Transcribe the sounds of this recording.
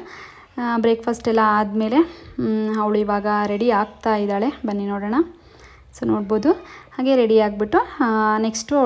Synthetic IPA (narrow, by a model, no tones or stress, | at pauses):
bɾeːkpʰɐsʈɛlːɐːd̪me̞ːle̞ | ɐʋɭuiʋaːɡɐɾeɽiaːɡ̚t̪aːjid̪aːɭe̞bɐnːinoːɽɐːɳɐ | soːnoːɽboːd̪uhaːɡe̞ɾeɽiaːɡ̚biʈːuneksʈuɐ